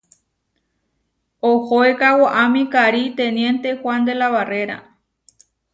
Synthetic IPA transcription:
ohoekawoʔamĩkaɾit̪ẽnjẽ̞nt̪e̞hwʷand̪e̞laβare̞ɾa̰

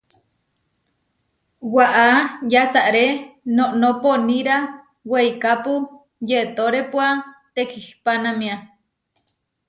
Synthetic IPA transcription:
waʔajasaʔɾenoʔnoponiɾa | wejkapu | jeʔt̪oɾepwat̪ekʰihpanamia

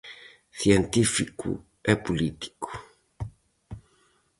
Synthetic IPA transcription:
θient̪ifikṵ | ɛpulit̪i̥ku̥

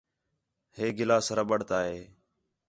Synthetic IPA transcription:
heːɡɪlaːsɾəɓəɽ̤t̪aːɦeː

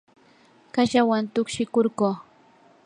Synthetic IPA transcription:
kaʃawant̪ʊkʃɪkoɾɢoː

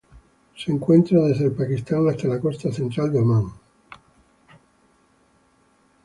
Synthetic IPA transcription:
seŋkwent̪ɾaðezðelpakist̪aŋast̪alakost̪aθent̪ɾald̪eomaŋ

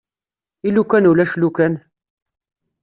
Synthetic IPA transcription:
ilukænulæʃlukæn

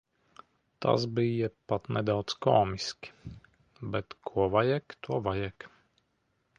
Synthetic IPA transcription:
t̪ʰa̰sbijɛpat̪nɛd̪awt̪skɔːmiskʲi̥ | bɛt̪kʰuɔvajɛkt̪uɔvajɛk

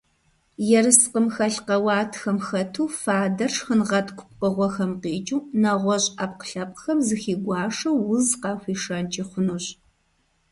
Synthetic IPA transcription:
jɛɾɨsqəmxɐɬqɐwɑːtʰxɐmxɐtʰuːfaːdɐrʂxənʁɐtʰʼkʷʰʊ̥kʷpɐʁʷɔxɐmqeːt͡ʃʼuːnɐʁʷɔɕʼap̚qə̥ɬɐpʼxɐmzɨxiːɡʷɑːʂɐwwʊzqɑːxʷiːʂɐnt͡ʃʼiχʷʊnuɕʼ

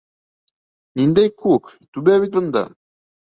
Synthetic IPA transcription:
nind̪æjkʰuk | t̪ubæβit̪̚bɤ̆nd̪ɑ̰

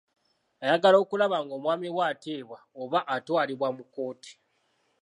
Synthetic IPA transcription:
ajaɡalo̞ːkulaβaŋɡo̞ːmwaːmiβwaːteːβwaoβaʔːtwaːliβwamuko̞ːti̥

